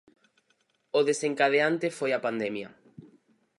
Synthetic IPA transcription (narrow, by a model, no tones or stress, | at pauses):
ʊðeseŋkaðeant̪efojapand̪ɛmjɐ̰